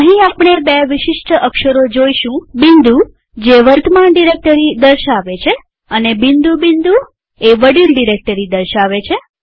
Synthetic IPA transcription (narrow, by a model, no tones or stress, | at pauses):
əɦĩapɽ̃ebeʋɪʃɪʃʈəəkʃəɾod͡ʒoiʃũbind̪u | d͡ʒeʋəɾt̪ʰəmaɳɖiɾek̚ʈəɾid̪əɾʃaʋet͡ʃʰe | ənebind̪ubind̪u | eʋəɽilɖiɾek̚ʈəɾid̪əɾʃaʋet͡ʃʰe